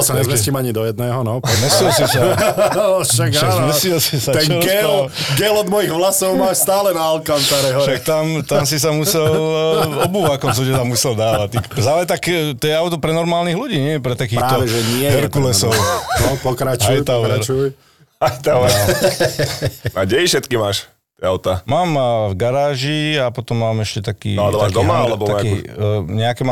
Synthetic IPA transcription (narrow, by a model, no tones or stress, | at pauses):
ɔsaɲɛzmɛscimaɲid̪ɔjɛd̪nɛːɦɔnɔpɔmɛsilsisa | ʃaʃamɛsilsisat̪ɛnɔɾɡɛɡɛlɔd̪mɔjiɣʋlasɔʊmaːʃst̪aːlɛnaalkant̪aɾɛɦɔʃak̚t̪amt̪ams̬is̬amusɛlɔbuːʋakɔmsɔɟɛamusɛld̪aːʋatt̪ikzalɛt̪akt̪ɔjɛaʊt̪ɔpɾɛnɔɾmaːlniɣluɟiːɲɪɛpɾɛt̪akiːxɾaːɔʋɛʒɛɲɪɛɦɛɾkulɛsɔʊɔpɔkɾat͡ʃajt̪aɾaɾuj | ajt̪a | aɟɛifʃɛt̪kimaːʃ | ɛawt̪amaːmvɡaɾaːʒiapɔt̪ɔmːaːmɛʃcɛt̪akḭːad̪ɔmaːʒd̪ɔmaalɛbɔt̪aakiɲɛakɛma